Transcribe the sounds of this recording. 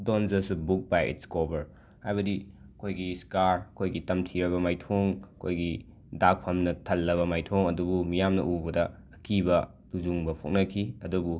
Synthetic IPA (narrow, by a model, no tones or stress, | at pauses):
donzɐsbuk̚bajḭtskobɐɾ | hajβɐdi | ɐkʰojɡiskaɾɐkʰojɡitɐmtʰiɾɐβɐmajtʰoŋɐkʰojɡi | dak̚pʰɐmnɐtʰɐlːɐβɐmajtʰoŋɐdubumijamnɐ̰ʔubɐdɐː | kʰibɐ | tud͡ʒuŋbɐpʰok̚ŋnɐkʰiɐdubu